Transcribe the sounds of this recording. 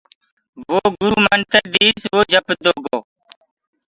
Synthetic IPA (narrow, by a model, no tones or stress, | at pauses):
ʋoːɡuɾumɐnt̪ɐd̪iːsʋoːd͡ʑɐpd̪oɡoː